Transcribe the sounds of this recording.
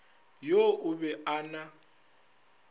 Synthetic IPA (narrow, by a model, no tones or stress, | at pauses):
joʔʊbɛʔana